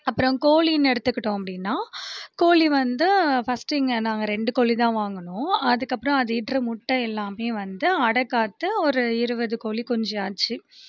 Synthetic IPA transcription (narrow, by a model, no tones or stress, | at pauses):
ɐpːɯɾɔ̃koːlinɛɽɯt̪ːɯkːɪʈːõːɐpːɐɽɪnːaːkoːliʋɐnd̪ɯfɐsʈɪŋɡɐnaːŋɡɐɾɛɳɖɯkoːɭit̪ãːʋaːŋɡɐnʊ̃ɐðɯkːɐpːɯɾɔ̃ɐðɐɪʈrɯmʊʈːɐɛlːaːmeːʋɐnd̪ɯɐɽɐkːaːt̪ːɯɔɾɯɪɾɯbɐðɯkoːlikɔɲd͡ʒɐaːt͡ʃːɯ